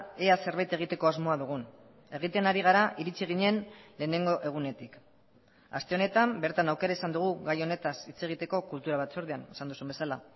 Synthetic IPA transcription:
ease̞ɾβajt̪e̞ɣ̞it̪eko̞azmo̞aðuɣ̞un | e̞ɣ̞it̪e̞naɾiɣ̞aɾaʔiɾit͡siɣ̞iɲe̞nle̞ːne̞ŋɡo̞ʔe̞ɣ̞une̞t̪ik | a̰st̪e̞o̞ne̞t̪ambe̞ɾt̪anawke̞ɾaisand̪uɣ̞uɣajo̞ne̞t̪asit͡se̞ɣ̞it̪e̞ko̞kult̪uɾaβ̞at͡so̞ɾðeanesand̪usumbe̞sala

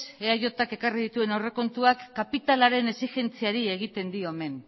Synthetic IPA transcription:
eajo̞t̪ake̞karið̞it̪ue̞nawre̞ko̞nt̪uakːapit̪alaɾe̞ne̞sixe̞nt͡siaɾie̞ɣ̞it̪e̞nd̪io̞me̞n

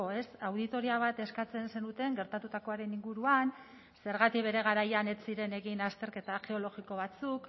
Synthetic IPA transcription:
oe̞sawð̞it̪o̞ɾiaβ̞at̪e̞skat͡se̞nse̞nut̪e̞ŋɡe̞ɾt̪at̪ut̪ako̞aɾe̞niŋɡuɾuan | se̞ɾɣat̪ikβe̞ɾe̞ɣ̞aɾajane̞t͡siɾe̞ne̞ɣinast̪e̞ɾke̞t̪aɣe̞o̞lo̞ɣiko̞βat͡suk

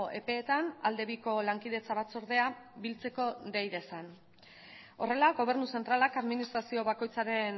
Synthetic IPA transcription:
ʔe̞̰pe̞ːt̪anald̪e̞βiko̞laŋkið̞e̞t͡saβat͡soɾðe̞abilt͡se̞ko̞d̪ejðe̞san | o̞re̞laɣo̞β̞e̞ɾnuse̞nt̪ɾalakaðminist̪ɾasio̞βako̞jt͡saɾe̞n

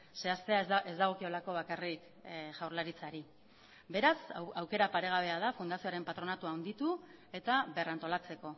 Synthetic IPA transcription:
se̞ast̪e̞aezd̪aɣ̞o̞kio̞lako̞β̞akarik | ʝawɾlaɾit͡saɾi | be̞ɾasawke̞ɾapaɾe̞ɣ̞aβ̞e̞aðafund̪asio̞aɾe̞mpat̪ɾo̞nat̪uaond̪it̪ue̞t̪aβerant̪o̞lat͡se̞ko̞

